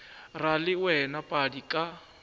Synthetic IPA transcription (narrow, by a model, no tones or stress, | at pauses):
ralɪwɛnapʼadikʼa